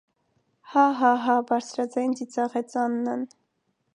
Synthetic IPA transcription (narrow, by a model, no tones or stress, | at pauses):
hɑɦɑɦɑbɑɾt͡sʰɾɑd͡zɑjnd͡zit͡sɑʁɛt͡sɑnːən